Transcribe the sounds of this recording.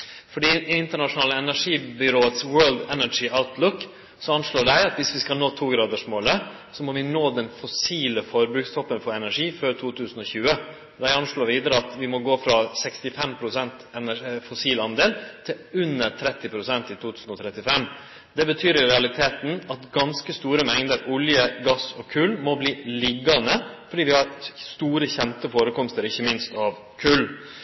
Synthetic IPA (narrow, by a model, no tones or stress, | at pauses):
fɔɖiːɪnt̪əɳɑʂʊnɑːləɛnæʂiːbʏɾoːət̪swɜːld̪ɛnəɪʔaʊt̪ʰlʊkː | sɔɑnʂɭoːɖæɪɑt̪ʋɪsʋɪskɑlnoːt̪ʰuːɡɾɑːd̪əʂmoːlə | sɔmɔʋɪnoːd̪ɛnfɔsiːləfɔɾbɾʉːkst̪ʰɔpːənfɔɾɛnæʂiːføːɾt̪ʰuːt̪ʰʉːsən̩ɔçʉːə | d̪æɪɑnʂɭoːɾʋiːd̪əɾəɑt̪ʋɪmɔɡoːfɾɑsɛkst̪ɪfɛmpʰɾʊsɛnt̪ɛnæfɔsiːlɑnd̪eːlt̪ʰɪ | ʉnːəɾt̪ʰɾɛt̪ːɪpʰɾʊsɛnt̪ɪt̪ʰuːt̪ʰʉːsn̩ɔt̪ʰɾɛt̪ːɪfɛmː | d̪ɛbət̪ʰyːɾjʊɾɛɑlɪt̪ʰeːt̪n̩ɑt̪ɡɑnskəst̪uːɾəmɛŋd̪əɾʔʊljəɡɑsɔkʰʉlmɔbliːlɪɡːɑnəfɔɖiːʋɪhɑɾst̪uːɾəçɛnt̪əfoːɾəkʰɔmst̪əɾɪçːəmɪnst̪ɑʋ | kʰʉl